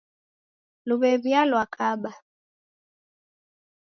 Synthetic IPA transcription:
luβɛβjalwakʰaɓa

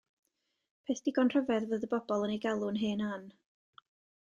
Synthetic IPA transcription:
pʰeːθd̥iɡɔnr̥əvɛðvəːðəbɔbɔlˠənejɡalˠʊnɦeːnan

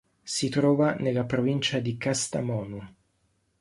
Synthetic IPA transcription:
sit̪ɾɔːvanelːapɾovint͡ʃad̪ikast̪a̰mɔːnu

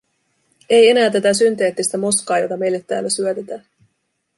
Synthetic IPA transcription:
e̞je̞næːt̪æt̪æsynt̪eːt̪ːist̪æmo̞skɑːjo̞t̪ɑme̞jlːe̞t̪ːæ̰ːlːæsyøt̪et̪æː

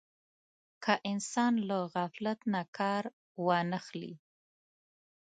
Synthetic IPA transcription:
kʰaʔɪnsɑnlaɣaflat̪nakʰɑɾ | wɑnəxlḭ

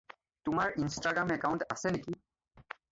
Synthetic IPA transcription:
t̪umaɹinsʈaɡɾamɛkawɳʈaseneki

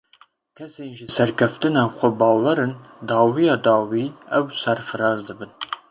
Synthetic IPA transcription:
kʰɐseːnʒisɐrkʰɐft̪ʰɨnaːwχʷɔbɑːwɐɾɨndɑːwijɑːd̪ɑːwiːɐwsɐrfɨɾɑːzd̪ɨbɨn

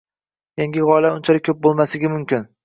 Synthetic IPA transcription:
jaŋɡʲɪʁɒɪlaʊnt͡ʃʰaɾɪkʲʰɵp̚bolˠmasɪɡʲɪmʊmkʲɪn

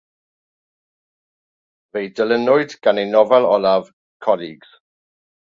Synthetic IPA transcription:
vejdələnʊɨdɡ̥anejnɔvɛlˠɔlav | kʰɔliɡz̥

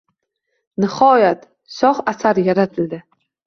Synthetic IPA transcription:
nɪχɒjat̪ | sɒχasaɾjaɾat̪ʰɪld̪ɪ

